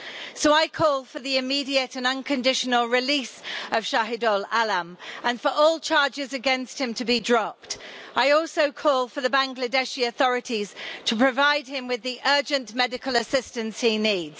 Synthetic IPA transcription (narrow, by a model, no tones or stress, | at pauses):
soʊaɪkʰɔːlˠfəðiɪmiːdiətə̃nʌ̃nkʰə̃ndɪʃənəlˠɹɪliˑsəv̥ʃaɦɪdɔlalə̃mə̃nfəɹʔɔːlˠt͡ʃʰɑːd͡ʒɪzəɡɛ̃nst̚hɪ̃mtʰəbidɹɒp̚taɪɔˑlˠsoʊkʰɔːlˠfəðəbãŋɡlədɛʃiəθɒɹɪtʰiz̥tʰəpʰɹ̥əvaɪd̚ɪ̃mwɪðiʔɜːd͡ʒə̃nmɛdɪkələsɪstə̃nshiniːdz̥